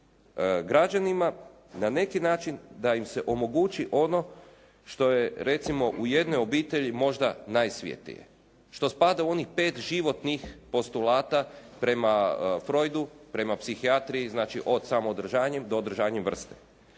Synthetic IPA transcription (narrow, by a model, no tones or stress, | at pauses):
ɡɾad͡ʒanima | nane̞kinaːt͡ʃind̪aimse̞ʔo̞mo̞ɡut͡ʃiʔo̞no̞ | ʃt̪o̞je̞ɾe̞t̪simo̞ʔuje̞d̪no̞jo̞biːt̪e̞ʎimo̞ʒd̪anajsʋjḛt̪ḭjḛ | ʃt̪o̞spad̪auo̞nixpe̞ːt̪ʒiʋo̞t̪nixpo̞st̪ulaːt̪apɾe̞mafɾo̞jd̪upɾe̞mapsixiat̪ɾiiznaːt͡ʃiʔo̞d̪samoːd̪r̩ʒaːɲemd̪oːd̪ɾ̩r̩ʒaːɲemʋr̩st̪e̥̰